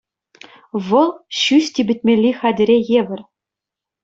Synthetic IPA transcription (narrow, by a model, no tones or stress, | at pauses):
ʋɤ̆lˠɕysʲtʲibʲɘ̆t̚ʲmʲelʲːixɑd̪ʲɘ̆ɾʲejeʋʲɘ̆rʲ